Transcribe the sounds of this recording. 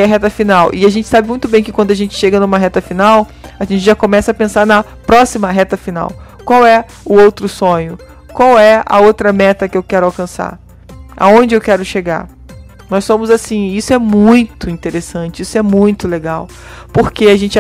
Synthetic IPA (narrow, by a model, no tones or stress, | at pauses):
ɐɦɛt̪ɐfinawʔɪaʒẽnt͡ʃɪ̥sabɪmũj̃t̪ʊbẽj̃kɪkwɐ̃nd̪ɐʒẽnt͡ʃɪ̥ʃeɡɐnũmɐɦɛt̪ɐfinawaʒẽnt͡ʃɪʒakõmɛsɐːpẽsaɾnɐ | pɾɔsimɐɦɛt̪ɐfina̰w | kwawɛ | ʊowt̪ɾʊsõɲʊ | kwawɛɐ̰owt̪ɾɐmɛt̪ɐkɪewkɛɾʊawkɐ̃sa̰ɾ | a̰õnd͡ʒɪewkɛɾʊʃeɡa̰ɾ | nɔjsõmʊzasĩisʊɛmũj̃t̪ʊĩnt̪eɾesɐ̃t͡ʃɪisʊɛmũj̃t̪ʊleɡaw | poɾkeaʒẽnt͡ʃɪ